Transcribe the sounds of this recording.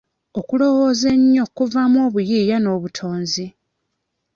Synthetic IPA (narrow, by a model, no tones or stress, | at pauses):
o̞kulo̞wo̞ːze̞ɲːo̞kuvamwo̞ːβujiːjano̞ːβutʰo̞ːnzi